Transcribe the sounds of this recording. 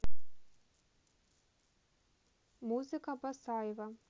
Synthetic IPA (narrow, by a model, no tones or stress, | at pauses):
muzɨkɐbɐsaːjvɐ